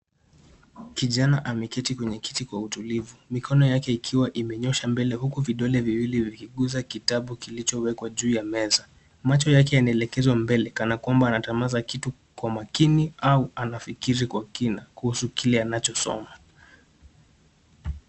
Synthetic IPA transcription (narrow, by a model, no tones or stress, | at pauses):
kiʄanaʔamɛkɛtikwɛɲɛki̥tikwautulivumikʰɔnɔjakɛikʰiwaʔimɛɲɔʃambɛlɛhukuviɗɔlɛviwilivikiɠuzakitaɓukilit͡ʃɔwɛkwaʄuːjamɛza | mat͡ʃɔjak̬ɛjanaɛlɛkɛzwambɛlɛkanakwambaːnatamazakitu | kwamakiniauanafikiɾikwakinakuhusukilɛanat͡ʃɔsɔ̰ma